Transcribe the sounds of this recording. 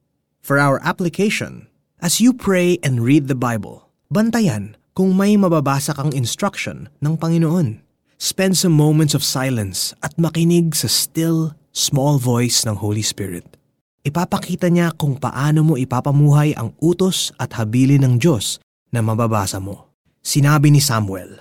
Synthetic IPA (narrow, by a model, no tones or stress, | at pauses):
fɔɹʔawɐɹʔaplɪkʰeʃo̰n | ʔɐsjupʰɹejʔɛ̃nd̪ɹid̪̚ðɐbajbɐ̰l | bɐnt̪ɐjɐn | kʊŋmɐjmɐbɐbaːsɐkɐŋɪnst̪ɹɐkʃo̰nːɐŋpɐŋɪnoʔo̞n | spɛnd̪sɐ̃mːõwmɛ̃nt̪sɔv̥sajlɐ̃nsʔɐt̪̚mɐkɪnɪɡ̚sɐst̪ɪl | smɔlvojsnɐŋhowlispɪ̰ɹɪ̰t̪̚ | ʔɪpaːpɐkiːt̪ɐɲakʊŋpɐ̰ʔaːno̞mo̞ʔɪpapɐmuːɦɐjʔɐ̰ŋʔuːt̪o̞sʔɐt̪̚hɐbiːlɪnɐŋd͡ʒo̞s | nɐmɐbaba̰ːsɐmo̞ | sɪnaːbɪnɪsamwɛ̰l